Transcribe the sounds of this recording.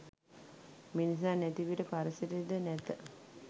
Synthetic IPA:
minis̬aːnæt̪iʋiʈəpaɾəsiɾid̪ənæt̪ə

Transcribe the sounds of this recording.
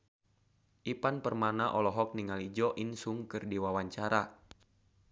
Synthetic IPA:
ʔipanpərmanaʔɔlɔɦɔk̚niŋalid͡ʒɔʔinsuŋkɨrdiwawaɲt͡ʃaɾa

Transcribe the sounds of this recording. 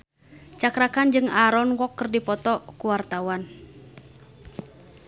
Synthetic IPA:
t͡ʃakɾakand͡ʒɨŋaɾɔnwɔkːərdipɔt̪ɔkuwart̪awan

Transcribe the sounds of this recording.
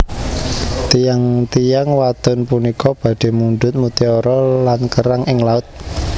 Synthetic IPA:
t̪ijaŋt̪ijaŋwad̪̥ʊnpunikʰɔb̥ä̤ɖ̪̥e̤munɖ̪ʊt̪̚mut̪eɔɾɔlankəɾaŋʔɪŋlaʊt̪̚

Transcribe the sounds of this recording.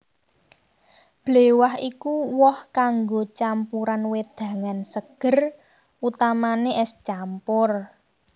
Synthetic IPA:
b̥le̤waɦikuwɔhkaŋɡot͡ʃampuɾanwed̪̥ä̤ŋansəɡ̥ə̤r | ut̪amaneʔɛst͡ʃampʊr

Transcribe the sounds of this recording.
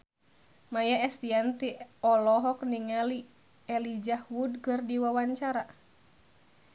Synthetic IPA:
majaɛst̪iant̪iɔlɔɦɔk̚niŋali | ɛlid͡ʒahwudkɨrdiwawaɲt͡ʃaɾa

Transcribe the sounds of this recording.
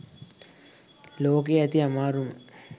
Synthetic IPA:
loːk̬eæt̪iamaːɾumə

